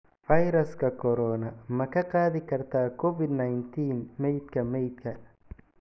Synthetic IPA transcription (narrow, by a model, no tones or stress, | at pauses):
fɐjɾɐskʰɐkʰɔɾɔːnɐmɐkʰɐqɑːðɪkʰɐrt̪ʰaːkʰɔfɪd̪najnt̪ʰiːnmɛjd̪kʰɐmɛjd̪kʰɐ